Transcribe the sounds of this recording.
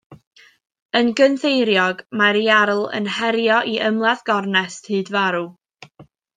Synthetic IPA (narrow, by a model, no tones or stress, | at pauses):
ənɡənθejɾjɔɡmaɾiaɾlˠə̰nhɛɾjɔʔiʔəmlˠaðɡ̥ɔrnɛsthɨːdvaɾu